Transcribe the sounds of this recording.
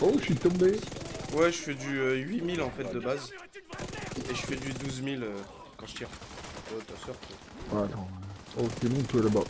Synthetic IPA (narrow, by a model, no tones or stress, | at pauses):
oʃɥit̪ɔ̃bewɛʒəfɛd̪yøɥimilɑ̃fɛt̪̚d̪əbaz | eʒəfɛd̪yd̪uzmilø | kɑ̃ʒə̥t̪iʁot̪asœʁt̪a | at̪ɔ̃ɛokʲemɔ̃t̪alaba